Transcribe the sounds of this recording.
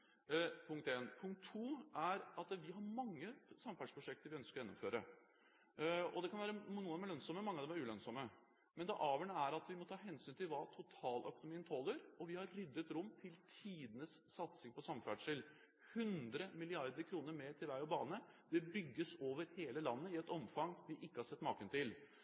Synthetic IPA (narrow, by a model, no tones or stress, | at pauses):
pʰʊŋkt̪eːnpʰʊŋkt̪ʰːuːæɾɑt̪ʋɪɦɑɾmɑŋːəsɑmfæɖʂpʰɾʊʂɛk̚t̪əɾʋɪœnskəɾɔjɛnːʊmføːɾə | ɔ̰d̪ɛkʰɑnʋæːɾənuːəd̪mælœnsɔməmɑŋːɑʋd̪ɛmæɾʉːlœnsɔmːə | mɛnd̪ɛʔɑːʋəɳəæɾɑt̪ʋɪmɔt̪ʰɑːɦɛnsyːnt̪ʰɪlʋɑt̪ʰʊt̪ʰɑːlʔœ̰kʊnʊmiːnt̪ʰɔlːəɾɔʋɪhɑɾːʏd̪ːət̪ɾʊmːt̪ʰɪlt̪ʰiːd̪ənəsːɑt̪sɪŋpɔsɑmfæɖʂəl | hʉnd̪ɾəmɪlɪɑɾd̪əɾkʰɾuːnəɾmet̪ʰɪlʋæɪɔbɑːnə | d̪ɛbʏɡːəsoːʋəɾheːləlɑnːəɪɛt̪ɔmfɑŋʋɪʔɪkːəhɑsɛt̪ːmɑ̰ːkənt̪ɪl